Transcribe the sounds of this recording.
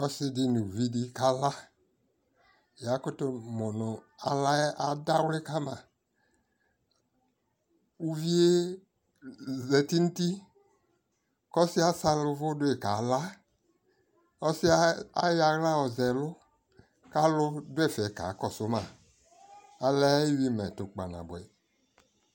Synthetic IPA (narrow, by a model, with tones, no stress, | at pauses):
kɔ˦sɪ˦dɪ˦nũ˨vi˦di˦ka˦la˦˨ | ja˨˦kʊ˦tʊ˦mʊ˨nʊ˨a˨la˦ɛ˦ʔa˨da˦wlɪ˦ka˦mã˨ | u˦vi˦e˦ | zɛ˨ti˦n̩˦ti˦ | kɔ˦sɪ˦a˦sa˧lʊ˧vʊ˦dʊ˦e˨ka˨la˦ | kɔ˦sɪ˦a˦a̰˦ja˨ɣla˦ɔ˨zɛ˨lʊ˦ | ka˦lʊ˦dʊ˦ɛ˦˨fɛ˨ka̰˨˦kɔ˨sʊ˦mã˨ | a˨la˦wi˦mɛ̃˨tʊ˨k͡pa˨nã̰˨bʊ˨ɛ˨